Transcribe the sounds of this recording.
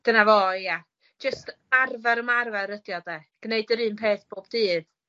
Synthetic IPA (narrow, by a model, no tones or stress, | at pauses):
d̥ənavɔjḁ | d͡ʒ̥əst | arvaɾəmarvaɾədjɔdɛɡ̥neɨdəɾɨːnpʰeːθb̥oːbdɨːð